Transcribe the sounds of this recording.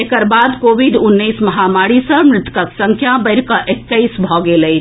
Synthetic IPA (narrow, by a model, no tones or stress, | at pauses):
ekəɾbad̪koʋiɖunːəjsməɦamaɽisə̃mɾɪt̪kəksəŋkʰjabəɪɾkəʔekːəjsbʱɔɡeləj